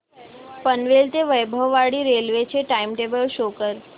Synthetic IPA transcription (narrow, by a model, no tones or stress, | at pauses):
pənʋelt̪eʋəjbʱəʋːaɽiɾelʋet͡ʃʰeʈaimʈebəlʃokəɾ